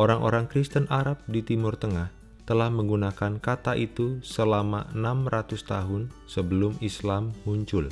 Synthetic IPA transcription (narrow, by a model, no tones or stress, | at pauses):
ʔoɾaŋʔo̰ɾaŋkɾist̪ənʔaɾap̚dit̪imʊrt̪əŋah | t̪əlahməŋɡunakankat̪aʔit̪usəlamaʔənamrat̪ʊst̪aɦʊnsəbəlʊmislamːuɲt͡ʃʊl